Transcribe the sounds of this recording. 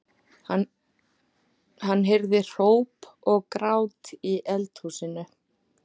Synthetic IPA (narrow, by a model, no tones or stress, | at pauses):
hanːɦejɾðɪr̥oːwpɔɣkɾaːwt̪iʔɛlt̪huːsɪnʏ